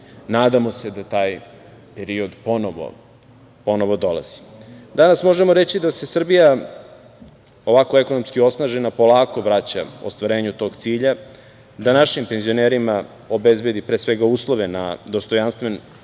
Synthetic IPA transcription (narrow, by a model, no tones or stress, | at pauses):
naːd̪amo̞se̞d̪at̪aːj | peɾio̞d̪po̞noʋo̰ | po̞no̞ʋo̞d̪o̞la̰z̥i̥d̪anasmo̞ʒemoɾet͡ɕid̪ase̞sr̩bija | o̞ʋakoeko̞nomskio̞snaʒenapo̞lˠaːko̞ʋɾat͡ɕa̰o̰st̪ʋaɾe̞ːɲut̪o̞ːɡt̪siːʎa | d̪anaʃimpe̞nzio̞neːɾima | obezbe̞d̪ipɾesʋeɡauːslˠo̞ʋena̰d̪o̞st̪o̞janst̪ʋen